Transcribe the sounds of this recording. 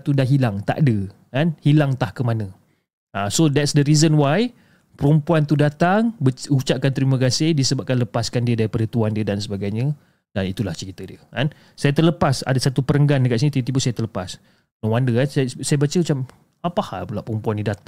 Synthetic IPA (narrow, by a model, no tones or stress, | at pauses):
t̪udahɦilaŋt̪a̰ʔdə | kanhilaŋt̪ahkəmanə̃ | asodɛtsdəɾizənwaj | pəɾumpuant̪udat̪aŋbəut͡ʃaʔkant̪əɾiməkasedisəbap̚kanləpaskandiədaɾipadət̪uandiədansəbaɡajɲə | danit̪ulaht͡ʃəɾit̪ədiəkan | sajat̪ərləpasa̰dasat̪upəɾəŋɡandəkaʔs̬init̪it̪ibusajat̪ərləpas | nõwandəkanssajabat͡ʃəmət͡ʃam | apaha̰lpəlaʔpəɾumpuanːidat̪a